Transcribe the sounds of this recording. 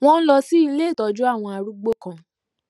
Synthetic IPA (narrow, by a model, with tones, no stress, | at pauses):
w̃ɔ̃˦n̩˦lɔ˧si˦i˧le˦˨tɔ˨d͡ʒu˦a˦˨w̃ɔ̃˧a˧ɾu˦ɡ͡bo˦kã˨